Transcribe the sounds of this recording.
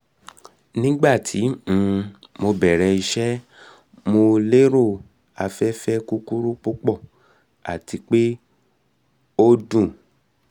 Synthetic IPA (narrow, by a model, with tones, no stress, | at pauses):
nĩ˦ɡ͡ba˦˨tʰĩ˨˦˧ | mo˧bɛ˨ɾɛ˨˧i˧ʃɛ˦ | mo˧le˦ɾo˦˨ | a˧fɛ˦fɛ˦ku˦ku˦ɾu˦k͡po˦k͡pɔ˦˨ | a̰˨ti˧k͡pe˦ | o˦dũ˦˨